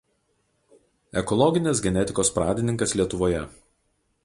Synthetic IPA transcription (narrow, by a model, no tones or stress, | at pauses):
ɛkɔlˠɔɡʲɪnʲɪsɡʲɛnʲɛt̪ʲɪkoːspɾɑːd̪ʲɪnʲɪŋkɐslʲiɛt̪ʊʋoːjɛ